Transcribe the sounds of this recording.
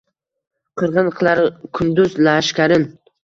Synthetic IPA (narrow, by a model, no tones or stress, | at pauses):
qʰɨɾʁɨnqʰɨlˠaɾɪkʰʊnd̪ʊzlaʃkʲaɾɪn